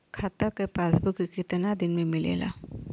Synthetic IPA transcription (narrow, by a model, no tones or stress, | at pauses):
kʰat̪akəpasbukikit̪ənad̪inmemilḛla̰